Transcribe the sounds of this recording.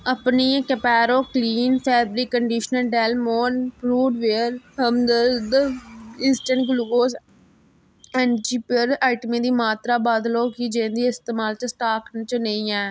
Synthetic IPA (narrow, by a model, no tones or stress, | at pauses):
əpnĩːkəpɛːɾoːkliːnpʰɛːbɾiːkːəɳɖiːʃnəlɖɛːlmoːnpɾuːɖʋeːəɾɦəmd̪əd̪əiːsʈəɳʈɡluɡoːs | ɛːnd͡ʒiːpɪɾaːɪʈəmiːd̪iːmaːt̪ɾaːbaːd̪loːkɪd͡ʒẽnd̪iːɪst̪eːmaːlt͡ʃsʈaːkt͡ʃənẽĩːɛː